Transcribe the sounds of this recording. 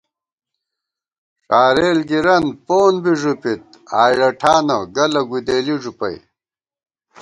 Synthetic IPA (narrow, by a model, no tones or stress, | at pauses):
ʂaːɾeːlɡiɾɐnpoːnbiʐupit̪̚ | aːjɽɐʈʰaːnɐɡɐlɐɡud̪eːliʐupɐ̰j